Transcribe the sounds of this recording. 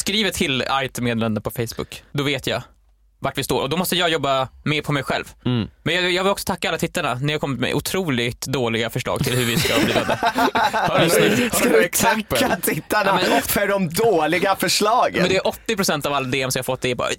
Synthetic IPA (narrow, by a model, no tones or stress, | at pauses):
skɾiːvəʈʰɪlajt̪meːd̪lɛnd̪əpʰɔfɛjsbʊ̰kːd̪ɔveːt̪jɑ̰ | vaʈːvɪst̪oːɾʔɔd̪ɔmɔst̪əjɑːɡjɔbːameːɾpʰɔmɛjɧɛ̰lvmɛnjɑjɑːvɪlɔksɔ̥t̪ʰakːaalːat̪ʰɪt̪ːaɳanæɾjaːkɔmːɪt̪mɛ̰ʔʊt̪ʰɾuːlɪɡt̪d̪oːlɪɡafœʂɭɑ̰ːɡt̪ʰɪlhɵɾvɪskaɔiːvad̪ɛhkɛksɛəːat̪ʰɪt̪ːanɛmɛfœɖɔmd̪oːlɪɡafœʂɭɑːɡəɛnd̪ɛæɾʔɔt̪ːɪpɾʊsɛnt̪avalːad̪eːɛmsɔmjafɔt̪ːd̪ɛbɑ̰ːa̰